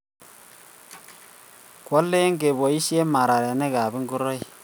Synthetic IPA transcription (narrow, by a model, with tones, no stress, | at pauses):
kɔ˦lːe˦ŋɡe˨bɔ˨i˦ʃe˦ma˨ɾa˨ɾe˨ne˦ka˨bi˦ŋɡu˦ɾɔ˦j